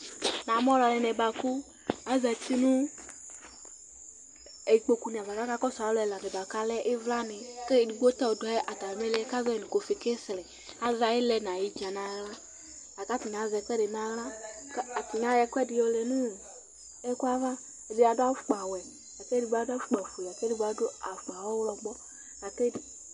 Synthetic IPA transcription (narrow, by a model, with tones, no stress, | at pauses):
nã˨mɔ˦la˨lɛ˨nɛ˨ba˨ku˦ | a˨zɛ˨t̪i˦nũ˦ | e˨i˨k͡po˧ku˧nĩ˨a˨va˨ka˦ka˦kɔ˦sa˨˦lɛ˧˨la˨nɛ˨ba˨ka˦lɛ˦ʔɪ˦vla˦nɪ˨ke˦˨di˨ɡo˦t̪ɔ˦o˨dɔ˨˦ɛ˦ʔa˨t̪a˨lɛ˨mɛ˦lɛ˦ɛ˦kza˦˨nĩ˨ko˨fi˨ke˦slɛ˨ | a˨za˨i˦lɛ˨nã˨ji˦d͡ʒa˨nã˨˦ɣla˦ | a˨ka˦ti˨ɲã˨˦zɛ˧kɛ˦de˨nã˨ɣla˦ka˨ti˨ɲa˨˦jɛ˧˦kwɛ˦dɪ˧jɔ˧lɛ˨nũ˦˨ | ɛ˦kwa˦va˦˨ | di˨a˨da˦fu˨k͡pa˨wɛ˨ | a˨ke˦di˨˧ɡ͡ba˨˦da˦fu˦k͡pa˨fu˨lɛ˨a˨ke˦di˦ɡ͡ba˨˦do˦a˨fu˨k͡pa˨wɔ˦wlɔ˧ɡ͡bɔ˦ | a˨ke˦d